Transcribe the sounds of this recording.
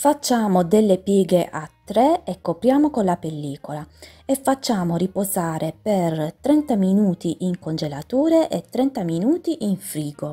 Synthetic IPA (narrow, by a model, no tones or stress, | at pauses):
fat͡ʃːaːmod̪elːepjiːɡeʔat̪ːɾeekːopɾjaːmokonlapelːiːkola | efːat͡ʃːaːmoripozaːɾepert̪ɾɛnt̪aminuːt̪iʔiŋkond͡ʒelat̪uːɾeʔet̪ːɾɛnt̪aminuːt̪iʔiɱfɾiːɡo